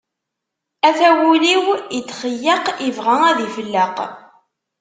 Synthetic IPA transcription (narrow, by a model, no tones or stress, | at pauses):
æθæwuliwit͡s̪ːχəjːəqivʁææðifəlːəq